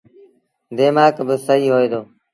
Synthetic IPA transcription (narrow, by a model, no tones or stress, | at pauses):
d̪eːmaːkbəsəɦiːɦoːiːd̪oː